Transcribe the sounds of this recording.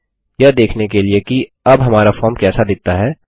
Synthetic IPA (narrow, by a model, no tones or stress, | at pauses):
jɐd̪eːkʰnekelieki | ɐbɦɐmaːɾafɔːɾmkɛːsad̪ɪk̚t̪aɦɛː